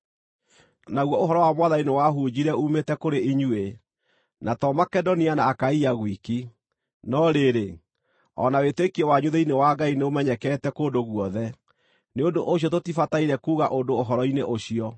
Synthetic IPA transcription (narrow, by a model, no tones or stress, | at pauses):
naɣwɔoɦɔɾɔwamwaðainewaɦud͡ʑiɾɛumetɛkoɾeiɲue | natɔmakɛdɔnianaːkaiaɣwiki | nɔɾeɾe | ɔ̰nawetekiɛwaɲuðɛinewaɡaineomɛɲɛkɛtɛkoːdoɣwɔðɛ | neondoʔoɕ̬iɔtotifataiɾɛkuːɣaʔodoːɦɔɾɔineʔoɕiɔ